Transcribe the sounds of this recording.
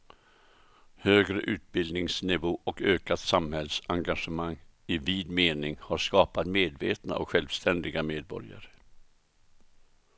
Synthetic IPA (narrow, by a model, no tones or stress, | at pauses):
høːɡɾəʔʉ̟ːt̪̚bɪld̪nɪŋsnɪvoːʔɔkøːkat̪samhɛlsaŋɡaʂəmaŋːɪviːd̪meːnɪŋhaɾʂkɑːpat̪meːd̪vḛːt̪na̰ʔɔ̰kɧɛlvst̪ɛnd̪ɪɡameːd̪̚bɔ̰ɾja̰ɾə